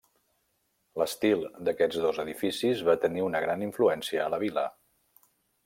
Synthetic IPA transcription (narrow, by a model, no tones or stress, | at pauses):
ləst̪ilˠd̪əkɛd͡zðozəðifisizβat̪əniunəɣ̞ɾaniɱfluɛnsiəːləβilə